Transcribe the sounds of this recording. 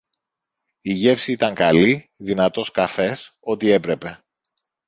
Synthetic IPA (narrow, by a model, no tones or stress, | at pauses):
iʝe̞fsiit̪ɐŋkɐli | ðinɐt̪o̞skɐfe̞so̞t̪ie̞pɾe̞pe̞